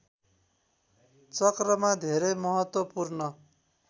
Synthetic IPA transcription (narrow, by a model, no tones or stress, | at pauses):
t͡sʌkrʌmad̪ʱeɾejmʌɦʌt̪wʌpurnʌ